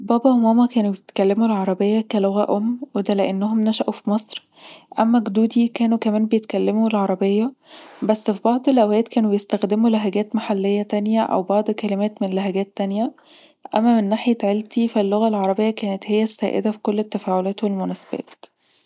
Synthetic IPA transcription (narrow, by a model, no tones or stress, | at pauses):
bɑːbɑʔomæːmɑkæːnubejet̪kælːemulʕɑɾˤɑbejːɑkæloɣæʔomːwed̪æleʔenːoɦomnæʃæʔufimɑsˤɾ | ʔæmːæɡd̪uːd̪ikæːnukæmæːnbejet̪̚kælːemuelʕɑɾˤɑbejːɑbæsːfibɑʕd̪ˤelʔæwæːt̪kæːnubejest̪æxd̪emulæɦæɡæːt̪maħalːejːæt̪ænjæʔæ̰wbɑʕd̪ˤkælemæːt̪menlæɦæɡæːt̪ːænjæ | ʔæmːæmenːaːħjæʕelt̪ifilːoɣælʕɑɾˤɑbejːɑkæːnet̪hejːæsːæːʔḛd̪æfi̥kolːet̪ːæfæːʕolæːt̪welmonæse̥bæ̰ːt̪